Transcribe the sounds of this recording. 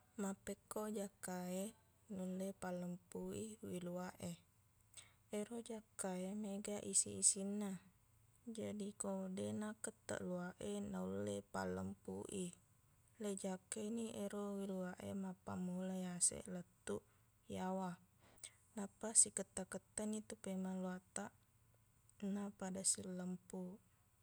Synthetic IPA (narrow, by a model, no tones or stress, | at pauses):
mapːekːod͡ʒakːae | nulːepaləmpuiwiluaʔe | eɾod͡ʒakːaemeɡaʔisiːsinːa | d͡ʒadikodenakət̪ːə̰ʔluaʔenaulːepa̰lːəmpṵʔi | led͡ʒakːaniʔeɾowiluaʔemapːa̰mulajasḛʔlət̪ːuʔ | jawa | napasikət̪ːakət̪ːanit̪upemanluat̪aʔ | napadasilːəmpu